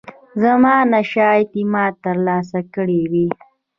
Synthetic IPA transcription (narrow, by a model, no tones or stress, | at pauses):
zamɑːnaʃɑjt̪imɑt̪əɾlɑːs̬akəɽewi